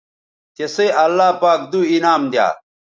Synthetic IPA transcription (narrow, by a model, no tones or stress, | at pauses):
t̪eseʔɐlːaːpaːkd̪uinaːmd̪ja̰ː